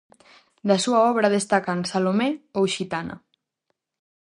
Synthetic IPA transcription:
d̪asuaɔβ̞ɾað̞est̪akansalomeowʃit̪ana̰

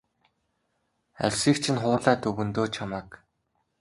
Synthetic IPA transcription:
æ̰ɮ̥ʲsiːkt͡ɕʰĭnχʊːɮaːt̪ʰɵɣɵ̆nt̪oːt͡ɕʰamaːk

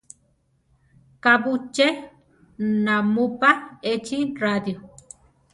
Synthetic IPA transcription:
kabut͡ʃe | namupaet͡ʃirad̪jo

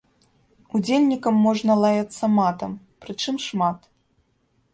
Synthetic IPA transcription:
ud͡zʲelʲnʲikɐmːɔʐnɐlˠajat̪sːɐmat̪ɐm | pɾɨt͡ʂɨmʂmat̪

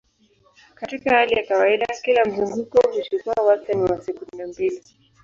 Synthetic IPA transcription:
katikahalijakawaiɗakilam̩zuŋɡukɔuʃikwawastaniwasɛkunnambili

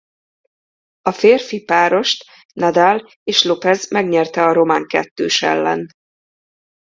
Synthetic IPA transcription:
ɒfeːrfipaːɾo̞ʃt̪ | nɛd̪al | eːʃlopɛzmɛɡɲɛrt̪ɛɒɾo̞maːŋkɛt̪ːøːʃɛ̰lːɛ̰n

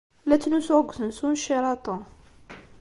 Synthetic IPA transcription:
læt̪nusʕɡt̪ənsunʃiɾˤɑt̪ˤu

